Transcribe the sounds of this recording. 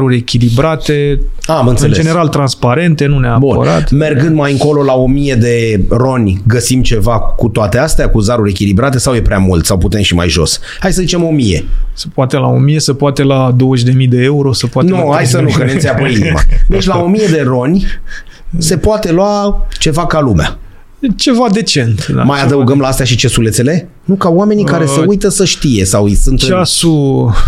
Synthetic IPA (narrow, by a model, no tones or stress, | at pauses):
ɾuɾʲe̞kʲilibɾat̪e̞ | amɨnt̪ɨenled͡ʒe̞ne̞ɾalt̪ɾanspaɾe̞nt̪e̞nuneabunpə̰ɾa̰t̪me̞rɡɨnd̪majɨŋko̞lo̞lao̞mije̞d̪e̞ro̞nʲɡəsimt͡ʃe̞vakut̪oat̪east̪eakuzaɾuɾʲe̞kʲilibɾat̪e̞sawje̞pɾeamult̪sawput̪e̞mʃima̰jʒo̞̰s | hajsəzit͡ʃe̞mo̞mije̞̰sə̥poat̪e̞la̰o̞mije̞səpoat̪e̞lad̪o̞wəʃʲd̪e̞mid̪e̞euɾo̞səpoatnohajsənukəneeapoinima̰d̪e̞t͡ʃʲlao̞mije̞d̪e̞ro̞nʲ | se̞poat̪e̞loat͡ʃe̞vakalumea̰ | t͡ʃe̞vad̪e̞t͡ʃe̞nt̪a̰majad̪əuɡəmlaast̪eaʃit͡ʃe̞sulet̪sele̞ | nukaoame̞nikaɾeseujt̪əsəʃt̪ije̞sawsunt̪t͡ʃasu